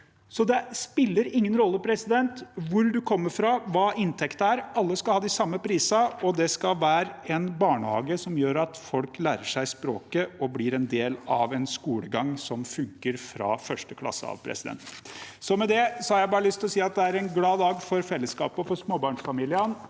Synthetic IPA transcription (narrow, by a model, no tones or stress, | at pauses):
sɔd̪ɛspɪlːəɾɪŋːənɾɔlːəpʰɾɛsɪd̪ɛnt̪ʋʊɾd̪ʉkʰɔmːəɾfɾɑʋɑːʔɪnt̪ʰɛkt̪əæɾɑlːəskɑlhɑːd̪ɪsɑmːəpʰɾiːsɑɔd̪ɛskɑlʋæːɾɛnbɑːɳəhɑ̰ːɡəsɔmjøːɾɑt̪fɔlklæːɾəʂæɪspɾo̰ːkəɔblɪɾɛnd̪eːlɑʋɛnskuːləɡɑŋsɔmfʉŋkəɾfɾɑ̰ːfœʂʈəkʰlɑ̰sːə̰ɑ̰ʋpʰɾɛ̰sɪd̪ɛ̰nt̪nsɔmɛd̪ɛsɔhɑɾjæɪbɑːɾəlʏst̪ɪlɔsiːɑt̪̚d̪ɛæɾɛnɡlɑːd̪ɑːɡfɔɾfɛlːəskɑ̰ːpəfɔsmoːbɑːɳʂfɑmiːlɪən